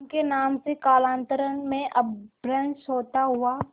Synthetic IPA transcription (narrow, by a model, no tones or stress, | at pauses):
nkenaːmsekaːlãːnt̪əɾənmẽʔɐbbɾə̃nʃɦoːt̪aɦʊaː